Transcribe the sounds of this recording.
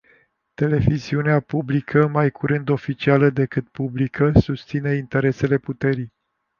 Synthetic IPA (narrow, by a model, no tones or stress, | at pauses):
t̪e̞le̞viziuneapublikʰəmajkʰuɾɨnd̪o̞fit͡ʃialəd̪e̞kɨt̪̚publikʰəsust̪sine̞int̪e̞ɾe̞se̞le̞put̪e̞ɾij